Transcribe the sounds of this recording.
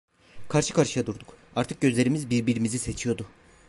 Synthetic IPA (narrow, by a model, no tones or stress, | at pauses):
kʰaɾʃɯkʰaɾʃɯjad̪uɾd̪ukaɾt̪ʰɯk̚ɟø̞zlʲe̞ɾimizbiɾbiɾimizise̞t͡ʃʰijo̞d̪u